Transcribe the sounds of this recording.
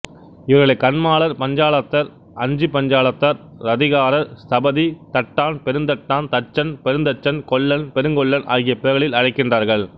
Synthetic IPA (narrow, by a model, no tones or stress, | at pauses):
ɪʋɐɾɣɐɭɐɪkːɐnmaːɭɐɾpɐɲd͡ʒaːɭɐt̪ːɐɾ | ʔɐɲd͡ʒɯpɐɲd͡ʒaːɭɐt̪ːɐɾ | ɾɐðɪɣaːɾɐɾsɐbɐðit̪ɐʈːaːnpɛɾɯnd̪ɐʈːaːnt̪ɐt͡ʃːɐnpɛɾɯnd̪ɐʈt͡ʃːɐnkɔɭːɐnpɛɾɯŋɡɔɭːɐnʔa̰ːɣɪjɐpɛɐɣɐɭɪlɐɻɐɪkːɪndraːɾɣɐɭ